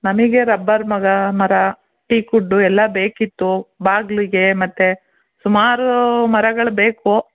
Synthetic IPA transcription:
nɐmiɡe̞ɾɐbːɐɾmɐɡɐmɐɾɐ | ʈiːkuɖːuɛlːɐbe̞ːkit̪ːubaːɡliɡe̞mɐt̪ːe | sumaːɾumɐɾɐɡɐɭbe̞ːku

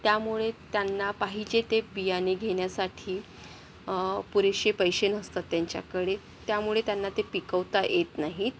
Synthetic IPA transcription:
t̪jamuɭet̪janːapaɦid͡ʑet̪ebijaneɡʱeɽjasaʈʰiː | puɾeɕepəjɕenəst̪at̪ːjaɲt͡ɕja̰kəɽe | t̪jamuɭet̪janːat̪epikəʋt̪ajʔet̪naɦi

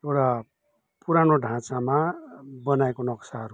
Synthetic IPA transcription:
ewʈa | puɾanoɖʱãt͡samabʌnaekonʌksaɦʌɾu

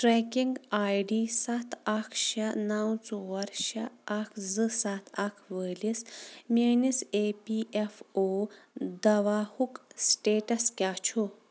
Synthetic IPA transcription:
ʈɾekiŋɡaːjɖisɐt̪ʰakʰʃɐnawt͡soʋɐɾʃɐakʰzɨsɐt̪ʰɐkʰʋəlismʲenisepiefod̪ɐʋaːhuksʈeːʈɐskʲjaːt͡ʃʰu

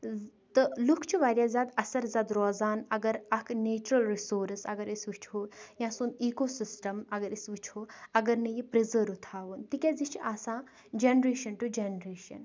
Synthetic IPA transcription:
t̪ɨlukʰt͡ʃʰiʋaːɾjaːzaːd̪ɐsɐɾzaːd̪ɾɔːzaːnɐɡɐɾɐkʰneːt͡ʃɾɐlɾisoːɾsɐ̰ɡɐɾisʋit͡ʃʰoːjãsuːniːkoːsisʈɐmɐɡɐɾisʋit͡ʃʰoːɐɡɐɾnɐjipɾizəɾut̪ʰaːʋunt̪ikʲad͡zit͡ʃiʔaːsãː | d͡ʒenɾeːʃɐnʈud͡ʒenɾeːʃɐ̰n

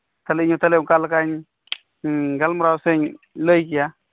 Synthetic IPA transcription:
t̪alɪɲut̪alemkalkaɲ | ɡalmʊɾawsɛɲ | ləjkija

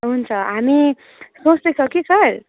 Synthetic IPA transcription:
ɦunt͡sʰʌɦami | sõt͡sd̪esʰʌkisʌɾ

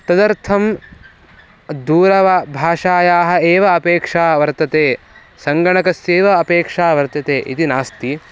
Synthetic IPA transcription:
t̪ɐd̪ɐɾt̪ʰɐm | d̪uːɾɐʋaːbʱaːʃaːjaːɦɐ̆eːʋɐɐpeːkʂaːʋɐɾt̪ɐt̪eː | sɐŋɡɐɳɐkɐseːʋɐːpeːkʂaːʋɐɾt̪ɐt̪eːʔḭt̪inaːst̪i

